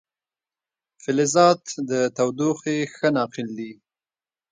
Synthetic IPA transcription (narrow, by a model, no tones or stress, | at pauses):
fɪlɪzɑt̪d̪ət̪awd̪uxexənɑqɪld̪i